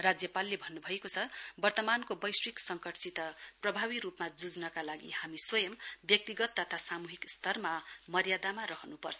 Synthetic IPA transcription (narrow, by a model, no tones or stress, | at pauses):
rad͡zjʌpalːebʱʌnːubʱʌekot͡sʰʌbʌrt̪ʌmankobʌjswiksʌŋkʌʈt͡sit̪ʌprʌbʱaβiɾupmad͡zud͡znʌkalaɡḭhamiswʌjʌmbjʌk̚t̪iɡʌt̪ːʌt̪ʰasamuɦikst̪ʰʌrmamʌɾjad̪amaɾʌɦʌnupʌrt͡sʰʌ